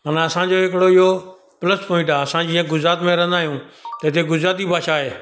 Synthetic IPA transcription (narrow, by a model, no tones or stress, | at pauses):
mənaːəsãːd͡ʒoːɦɪkɽoːɪɦoː | pələsʈpoːɪ̃ʈaːəsãːd͡ʑɪːə̃ɡʊzɾaːt̪mẽɾə̃nd̪aːɦijũːt̪əɪt̪ʰeɡʊzɾaːt̪̬ibʱaːʃaːɦeː